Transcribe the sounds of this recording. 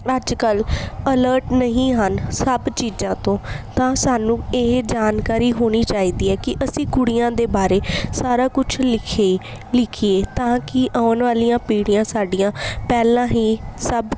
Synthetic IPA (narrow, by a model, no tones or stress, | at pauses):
əd͡ʒkələləːɾʈnəɦĩːɦənsəbt͡ʃiːd͡ʒãːt̪õːt̪ãːsaːnũːeːd͡ʒaːnkaːɾiːɦoːɽ̃iːt͡ʃaːiːd̪iːɛːkɪʔəsĩːkʊɽijãːd̪eːbaːɾeːsaːɾaːkʊt͡ʃʰlɪkʰe | lɪkʰieːt̪ãːkɪʔaːnʋaːlijãːpiːɽjãːsaːɖijãːpɛːlãːɦiːsəb